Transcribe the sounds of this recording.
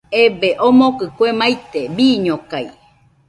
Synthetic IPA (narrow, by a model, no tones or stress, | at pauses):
ebeʔomokɨkwemajt̪ebiːɲokaj